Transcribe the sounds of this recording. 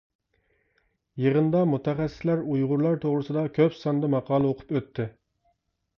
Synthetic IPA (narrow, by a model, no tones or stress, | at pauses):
jəʁənd̪ɑmut̪ʰɛχɛsːɪ̥slæɾujʁʊɾlˠɑɾt̪ʰoʁɾɨsɨd̪ɑkʲʰøpsɑnd̪ɑmɑqʰɑːlˠəoqʰʊ̥pøt̪ʰːɪ